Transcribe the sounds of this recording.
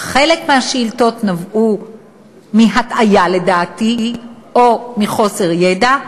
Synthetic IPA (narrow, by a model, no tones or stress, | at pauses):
χe̞lekmeaʃiːlto̞t̪navʔu | miɦatajale̞daːti | omiχo̞se̞ʁjeda